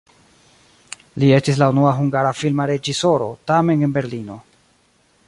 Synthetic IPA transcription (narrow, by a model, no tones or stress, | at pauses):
lie̞stislaunuaɦuŋɡaɾafilmaɾe̞d͡ʒiso̞ɾo̞̰tame̞ne̞nbe̞ɾlino̞